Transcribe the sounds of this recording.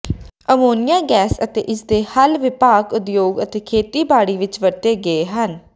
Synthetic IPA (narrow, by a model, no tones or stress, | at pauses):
əmoːnɪjaːɡɛːsət̪ḛːʔɪsd̪eːhəlʋɪpaːkʊd̪joːɡət̪eːkʰeːt̪iːbaːɽiːʋɪt͡ʃʋət̪eːɡəeːɦən